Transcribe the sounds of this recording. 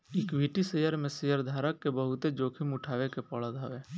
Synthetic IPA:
ɪkʋʱiːʈisejəɾmẽsejəɾd̪ʱaːɾəkːebəɦʊt̪ed͡ʒoːkʰɪmʊʈʰaːʋekepəɭad̪ʱaːʋe

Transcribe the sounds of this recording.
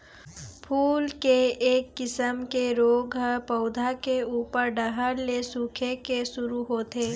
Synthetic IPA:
pʰuːlkeeːkːɪsəmkeɾoːɡɦəpəʊd̪ʱakeuːpəɾɖəɦəɾlesuːkʰekesʊɾuɦoːt̪eː

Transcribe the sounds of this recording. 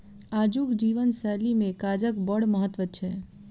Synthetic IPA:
ad͡ʒukd͡ʒiʋənsɛlimẽkad͡ʒəkbəɽməɦət̪ʋət͡ʃʰɛ

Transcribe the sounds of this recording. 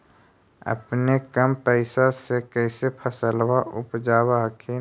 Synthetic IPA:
ə̰pnekəmpəɪsasekɛːsepʰəsəlwaʔʊpd͡ʒaːwaɦkʰe

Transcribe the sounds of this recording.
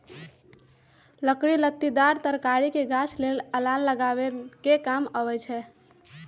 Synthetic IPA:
ləkɾilət̪ːid̪aɾt̪əɾkaɾikeɡasʰleləlanləɡabekekaməβɛt͡ʃʰɛ

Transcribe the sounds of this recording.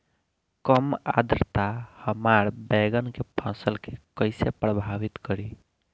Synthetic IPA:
kəma̰d̪ɾt̪ahəmaɾbɛɡənkepʰə̃səlkekəɪsepɾəbʱaʋit̪kəɾi

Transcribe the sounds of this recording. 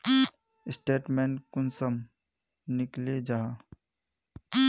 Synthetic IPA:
ɪsʈeːʈmẽːɳkʊnsəm | nɪkled͡ʒaːɦa

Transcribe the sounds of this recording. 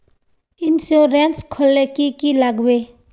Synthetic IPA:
insoɾenskʰolːekikilaɡwe

